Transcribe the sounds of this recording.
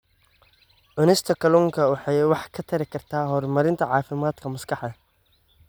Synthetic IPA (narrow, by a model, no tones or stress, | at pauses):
ʔʊnɪst̪ʰɐkʰɐluŋkʰɐwɑħɑjwɑħkʰɐt̪ʰɐɾɪkʰɐrt̪ʰaːɦɔrmɐɾɪnt̪ʰɐʕɑːfɪmaːd̪kʰɐmʊskʰɑħd̪ɐ